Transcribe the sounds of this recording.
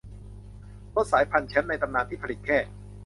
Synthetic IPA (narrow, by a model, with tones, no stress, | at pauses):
pʰɔ˦˥t̪̚saː˩˦jpʰa˧nt͡ɕʰɛ˦˥nːa˧jt̪a˧mnaː˧nt̪ʰiː˥˩pʰa˧li˨˩t̪̚kʰɛː˥˩